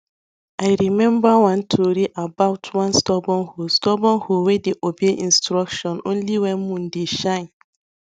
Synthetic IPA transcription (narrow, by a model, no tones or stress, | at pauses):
aɪɾimɛ̃mbawãntʰoɾiʔabaʊtʰwãnstɔbɔ̃nhostɔbɔ̃nhowedeʔobeʔĩnstɾɔkʃɔ̃nõ̰nliwɛ̃nmũn̩deʃãɪ̃n